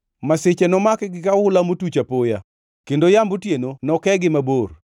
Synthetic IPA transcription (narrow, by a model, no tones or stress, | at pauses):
masɪt͡ʃɛnɔmakɡɪkahʊlamotut͡ʃapoja | kendojambutjenonɔkɛɡɪmabor